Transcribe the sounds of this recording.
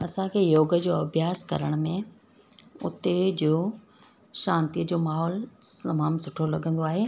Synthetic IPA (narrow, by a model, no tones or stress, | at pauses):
ɐsãkʰeːjoːɡə̆d͡ʑoːɐbʱjaːskɐ̰ɾəɽ̃mẽ | ʊt̪ed͡ʑoː | ʃãːnt̪iəd͡ʑoːmaːɦɔːlɐmaːmsʊʈʰolɐɠə̃nd̪oaːɦeː